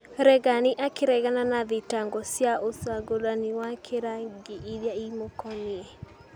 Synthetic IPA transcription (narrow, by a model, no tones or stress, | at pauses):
ɾɛɣaniʔakeɾɛɣananaðetaŋɡɔsjaʔosaɡoðaniwakʰeɾaŋɡeiðjaimokɔniɛ